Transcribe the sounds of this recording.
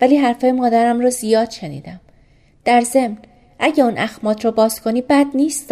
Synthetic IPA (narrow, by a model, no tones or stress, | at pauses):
væliːɦæɾfɒːjemɒːd̪æɾæmɾɒːzijɒːd̪̥ʃe̞nḭːd̪æm | d̪̥æɾze̞mn | ʔæɟeuːnʔæxmɒːt̪ʰɾɒːbɒːz̥kʰo̞niːbæd̪niːst̪